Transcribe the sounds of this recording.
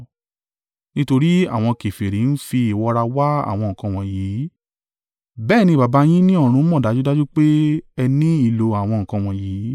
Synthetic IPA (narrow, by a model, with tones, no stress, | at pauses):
nĩ˦to˧ɾi˦a̰˦˨w̃ɔ̃˧ke˨fe˨ɾi˨˦n̩˦fi˧i˨wɔ˧ɾa˧wa˦a̰˦˨w̃ɔ̃˧ŋ̩̃˨kã˧w̃ɔ̃˨jiː˨˦ | bɛː˦˨nĩ˧˨ba˨ba˧j̃ĩ˦nĩ˦ɔ˦˨ɾ̃ũ˧˦mɔ̃˦˨da˨˦d͡ʒu˦da˦d͡ʒu˦k͡pe˦ɛ˧nĩ˦i˦˧˨lo˧a˨w̃ɔ̃˧ŋ̩̃˨kã˧˨w̃ɔ̃˨ji˨˦